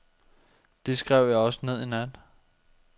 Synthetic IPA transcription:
d̥e̝sɡ̥ʁɛʊ̰jɑ̈ɪɒ̽sə̥ne̝ð̞̰ˠenæn

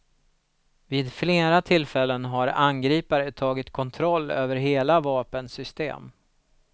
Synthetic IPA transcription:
viːd̪fleːɾat̪ʰɪlfɛlːənɦaɾa̰nɡɾiːpaɾət̪ʰɑːɡɪt̪kʰɔnt̪ʰɾɔlːø̰ːvəɾɦeːlavɑːpənsʏst̪ḛːm

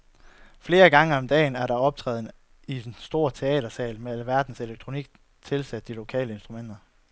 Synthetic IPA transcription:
fle̝ːɐɡ̥ɑ̈ŋəɒ̽md̥ɛ̰ːnæɐɾ̥ɑ̈ɒ̽b̥̚t͡sʰʁɛ̰ːðˠn̩ | i̥ensd̥o̝ɐ̰t͡sʰe̝ɛ̰ːd̥ɐsɛ̰ːlmeælʋæɐd̥n̩se̝leɡ̥̚t͡sʰʁo̝niɡ̥̚ | t͡sʰe̝lsæd̥̚d̥ilo̝kʰɛ̰ːləe̝nsd̥ʁumen̰d̥ɐ

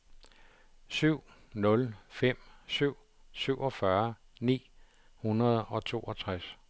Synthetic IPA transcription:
syʊ̰ | nɔ̽lfem̰syʊ̰ | syʊ̰ɒ̽fɶɐnḭː | hunɐð̞ˠɒ̽t͡sʰo̝ːɒt͡sʰʁas

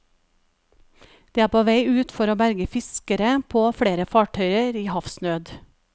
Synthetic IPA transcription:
d̪̥eːæːpʰoːʋæɪʉːt̪fɔɾoːbæɾɡəfɪskəɾəpʰoːfɽeːɾəfɑːʈʰœʏəɾiːhɑfsnøːd̪

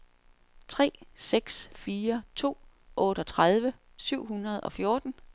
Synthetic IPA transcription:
t͡sʰʁɛ̰ːseɡ̥sfiːɐt͡sʰo̝̰ːʔɔ̽ːɾ̥əɒ̽t͡sʰʁað̞ˠʋə | syʊ̰ɦunɐðˠɒ̽fjo̝ːd̥n̩

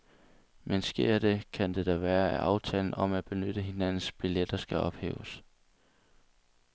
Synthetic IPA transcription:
mensɡ̥e̝ɐ̰d̥e̝kʰænd̥e̝d̥ɒʋæːɐæʔɑ̈ʊt͡sʰɛ̰ːln̩ɒ̽mæb̥e̝nød̥əɦe̝næn̰n̩sb̥iled̥ɐsɡ̥æɒ̽b̥hḛːʊs

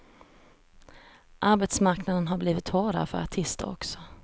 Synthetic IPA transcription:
ʔaɾbɛt̪smaɾknad̪ənɦabliːvɪt̪vɑːɾa̰fœ̰ɾaʈʰɪst̪ə̰ɾɔ̰ksɔ̥

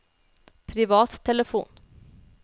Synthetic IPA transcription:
pʰɾɪvɑːt̪ʰːɛləfṵːn

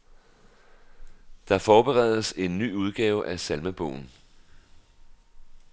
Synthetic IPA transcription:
d̥ɑ̈fɒːb̥e̝ʁɛð̞ˠəse̝nːy̰ːuð̞ˠɡ̥ɛːʊʔæsælməb̥ɔ̰ːʊn̩

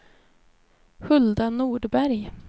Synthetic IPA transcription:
hɵld̪anuːɖbæɾj

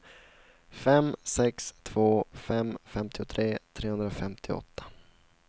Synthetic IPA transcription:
fɛmsɛkst̪ʰvoːfɛmfɛmt̪ʰɪʊt̪ʰɾeːt̪ʰɾeːhɵnɾafɛmt̪ʰɪɔ̰t̪ʰːḁ

